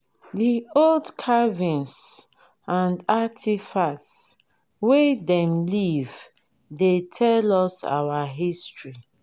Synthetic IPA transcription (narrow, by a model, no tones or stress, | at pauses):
dioldkʰavĩns | ãndatʰifats | wedɛ̃mliv | detʰɛlɔsa̰waɦistɹi